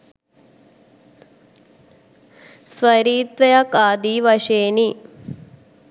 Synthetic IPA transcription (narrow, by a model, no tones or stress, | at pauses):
sʋɐɾiːt̪ʋɐjɐkaːd̪iʋɐʂeːni